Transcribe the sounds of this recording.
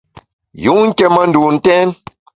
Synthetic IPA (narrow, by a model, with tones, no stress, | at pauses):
ju˨˦ŋ̩˦kɛ˦mə˦˨n̩˦du˨n̩˨tɛ˦n